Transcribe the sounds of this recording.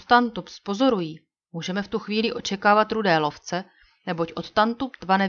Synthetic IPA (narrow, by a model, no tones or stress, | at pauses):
t̪t̪ant̪upspo̞zo̞ɾujiː | muːʒɛmɛft̪uxviːlɪʔo̞t͡ʃɛkaːvat̪ɾudɛːlo̞ft͡sɛ | nɛbo̞cʔo̞t̪t̪ant̪updvanɛ